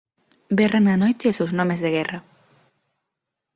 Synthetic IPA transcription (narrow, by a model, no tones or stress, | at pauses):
berananojt̪esewznomezðeɣɛrɐ